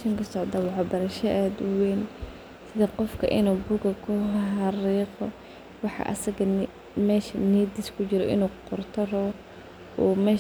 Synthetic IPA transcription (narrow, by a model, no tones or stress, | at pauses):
ʃɐŋkʰɐsɔʕd̪ɐwɑħɑːbɐɾɐʃɐʔaːd̪ʊwɛːn | sɪðɐqɔfkʰɐʔɪnuːbʊɡɐkʰʊɦɑriːqɔ | wɑħɑ̰ʔɐ̰sɐɣɐ | mɛːʃɐniːd̪ɪskʰʊt͡ʃɪɾɔʔɪ̰nuːqɔrt̪ʰɐrɔ | ɔːmɛː